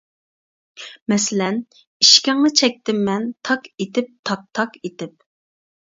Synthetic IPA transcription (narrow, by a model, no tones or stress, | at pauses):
mɛsɪlɛn | iʃkʲɛŋnɨt͡ʃʰɛk̚ʲt̪ɪmːɛnt̪ʰɑqet̪ɪp̚t̪ʰɑk̚t̪ʰɑqet̪ɪp̚